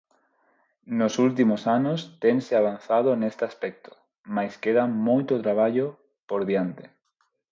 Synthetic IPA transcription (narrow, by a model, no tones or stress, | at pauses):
nosult̪̬imosanost̪eŋseaβ̞an̟θað̞onest̪easpɛk̚t̪o̥ | majskeðamojt̪ot̪ɾaβaʎo | poɾðjant̪e̥